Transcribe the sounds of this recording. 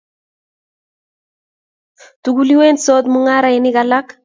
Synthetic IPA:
tuɡuliwensɔːt̪muŋaɾaɪnɪkalak

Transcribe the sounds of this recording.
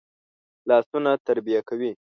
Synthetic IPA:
lɑsunat̪aɾbijakawi

